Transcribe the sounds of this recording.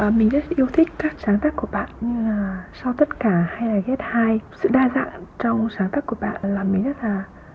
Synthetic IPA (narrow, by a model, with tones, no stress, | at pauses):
ʔəː˨˩mï˨˩ŋ̟zə˦˥t̚ʔi˧əwt̪ʰï˦˥k̟̚kaː˦˥k̚saː˨˦ŋt̪aː˦˥kːu˧˩əɓa̰ː˧˨nɲɨ˧ŋaː˨˩sa˧wt̪ə˦˥t̚kaː˧˩ha˧jlaː˨˩ɣɛ˦˥t̚haː˧jsɨ̰˧˨ɗaː˧za̰ː˧˨nt͡ɕɔ˧wŋ͡msaː˨˦ŋt̪a˦˥kːu˧˩əɓa̰ː˧˨nlaː˨˩mi˨˩ŋ̟zə˦˥t̚laː˨˩